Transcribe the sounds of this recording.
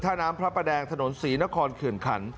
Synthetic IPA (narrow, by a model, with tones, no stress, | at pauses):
t̪ʰaː˥˩naː˦˥mpʰɾa˦˥pa˧dɛː˧ŋt̪ʰa˧no˩˦nsiː˩˦na˦˥kʰɔː˧nkʰɯ˨˩ənkʰa̰˩˦n